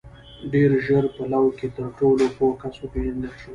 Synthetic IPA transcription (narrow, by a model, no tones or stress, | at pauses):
ɖeɾʒəɾpalawket̪əɾʈolopokasopeʒand̪əlʃə